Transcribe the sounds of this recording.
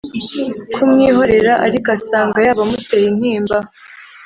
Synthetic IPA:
kʰumŋiːɦo̞ɾe̞ɾaʔaɾikasaːŋɡajaːβamute̞jin̥hiːmba

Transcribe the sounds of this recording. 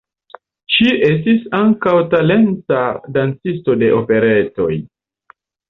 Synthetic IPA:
ʃiʔes̬tisaŋkawtale̞ntadant͡sis̬to̞de̞ʔo̞pe̞ɾe̞to̞j

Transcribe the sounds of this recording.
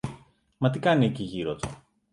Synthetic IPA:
mɐt̪ikɐnieciʝiɾot̪o̰

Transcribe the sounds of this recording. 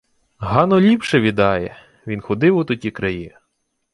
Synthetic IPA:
ɦɑnɔlʲipʃɛʋʲid̪ɑjɛ | ʋʲinxɔd̪ɪwʊt̪ʊtʲikɾɐji

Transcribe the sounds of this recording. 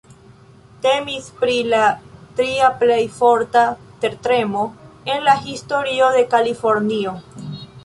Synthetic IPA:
te̞mispɾilatɾiaple̞jfo̞ɾtateɾtɾe̞mo̞e̞nlaɦisto̞ɾio̞de̞kalifo̞ɾnio̞

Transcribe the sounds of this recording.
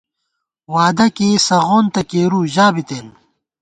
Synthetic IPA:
waːd̪ɐkeːsɐʁoːnt̪ɐkeːɾuːʑaːbit̪eːn

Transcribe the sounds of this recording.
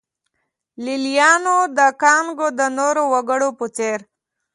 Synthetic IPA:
lilijɑnod̪əkɑŋɡod̪ənoɾowaɡəɽoput͡seɾ

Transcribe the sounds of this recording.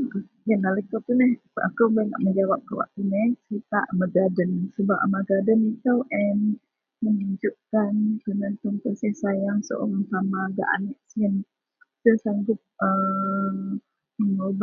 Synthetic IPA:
janaləkawt̪unɛhʔakəwbana̰ʔməɲd͡ʒawap̚kəwa̰k̚t̪unɛhsəit̪aʔməɡadənsəbaʔmaɡadənik̪awʔɛn | məŋuɲd͡ʒuʔkanpənant̪uŋpəsihsajaŋso̰ʔoŋaŋsamaɡa̰ʔa̰nəʔsiən | səsaŋɡʊp̪̚ə | məŋob

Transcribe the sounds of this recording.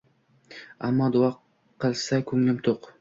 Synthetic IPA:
amːɑd̪ʊɑqʰː | ɨlˠsakʲʰɵŋlɪmt̪ʰoq

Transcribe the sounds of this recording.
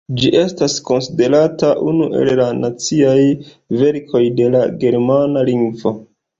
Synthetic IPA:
d͡ʒiʔe̞stasko̞nside̞ɾataʔunuʔe̞̰lːanat͡siaj | ve̞ɾkʰo̞jde̞laɡe̞ɾmanaliŋɡvo̞

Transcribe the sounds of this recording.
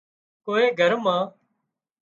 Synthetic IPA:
koːeːɡʱəɾmãː

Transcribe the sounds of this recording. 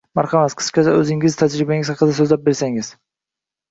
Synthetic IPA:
maɾχɑmat̪qʰɨ̥skʲat͡ʃaɵzɪŋɪzt̪ʰad͡ʒɾɪbaŋɪzhɑqɨd̪as̬ɵzlap̚be̞ɾsaŋɪz̥

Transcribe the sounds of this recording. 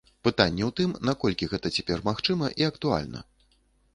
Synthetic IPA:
pɨt̪anʲːɛwt̪ɨmnakɔlʲkʲiɣɛt̪ɐt͡sʲapʲɛrmaxt͡ʂɨmɐʔiɐkt̪ua̰lʲnɐ̰

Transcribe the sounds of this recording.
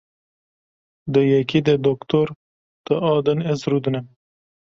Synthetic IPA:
d̪əjekid̪ed̪okt̪oɾ | t̪əɑːd̪ənezɾud̪unem

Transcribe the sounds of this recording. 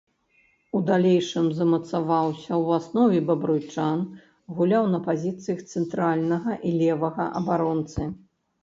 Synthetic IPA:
ud̪alʲeɛjʂɨmzɐmɐt̪savawsʲɐwasnɔvʲɛbɐbɾujt͡ʂan | ɣulʲawnɐpazʲit̪sɨjɐxt̪sɛnt̪ɾalʲnɐɣɐʔilʲɛvɐɣɐ̰ʔɐbaɾɔnt̪sɨ

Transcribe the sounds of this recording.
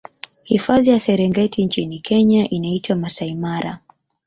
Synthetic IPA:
hifazijasɛɾɛŋɡɛtʰint͡ʃinikʰɛɲaʔinaitwamasaimaɾa̰

